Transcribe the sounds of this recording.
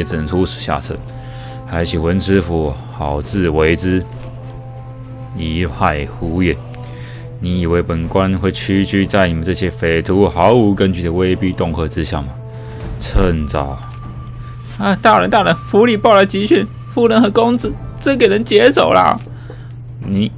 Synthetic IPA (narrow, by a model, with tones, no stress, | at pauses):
t͡s̩˨˩nə˧˦ŋtʰu˥ʂɻ̩˨˩ɕja̰˥˩t͡sʰɤ̰˥˩ | xa˧˥ɪt͡ɕʰi˨˩wə˧˥nt͡s̩ʰ˥fu˧˥ | xɑ˨˩ʊt͡sɹ̩˥˧we˧˥ɪt͡sɹ̩˥ | i˧˥pʰa˥˩ɪxu˧˥ɛ˨˩˦n | ni˧˥i˨˩we˧˥ɪpə˨˩nkwa˦˥nxwe˥˩ɪt͡ɕʰy˥t͡ɕy˥˧t͡sa˥˩ɪni˨˩mə˦nʈ͡ʂɤ˥˩ɕjɛ˥fe˨˩ɪt̪ʰu˧˥xɑ˧˥ʊu˧˥kə˦nt͡ɕy˥˩ə˨˩we˥ɪpi˥t̪ʊ˥˧ŋkʰɤ˥˧t͡sɻ̩˦ɕja̰˥˩ma˩ | t͡sʰə˥˧nt͡sɑ˨˩˦ʊ | a˧˩t̪a˥˩ɻə˧˥nt̪a˥˩ɻə˧˥nfu˧˥li˨˩pɑ˥˩ʊlə˨˩t͡ɕi˧˥ɕʰy˥˩n | fu˥˩lə˧˥nxɤ˧˥kʊ˥ŋt͡sɹ̩˧t͡sɤ˥˩k̬e˨˩ɪnə˧˥ŋt͡ɕjɛ˧˥t͡so˨˩ʊlə̰˧˦ | ni˨˩˦